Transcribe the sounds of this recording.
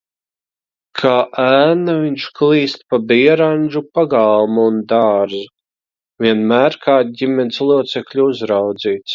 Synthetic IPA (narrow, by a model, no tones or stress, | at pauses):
kʰaːʔæːnaviɲt͡ʃklˠiːst̪pabiɛɾanʒupaɡalˠmuːnd̪aːɾzu | viɛnmæːɾkaːd̪ɟimʲɛnʲslˠuɔt̪sɛklʲuuzɾawd̪ziːt̪s